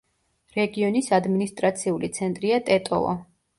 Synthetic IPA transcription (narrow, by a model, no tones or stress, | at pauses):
ɾɛɡiɔnisad̪minist̪ʼɾat̪sʰiulit̪sʰɛnt̪ʼɾiat̪ʼɛt̪ʼɔ̰lˠɔ̰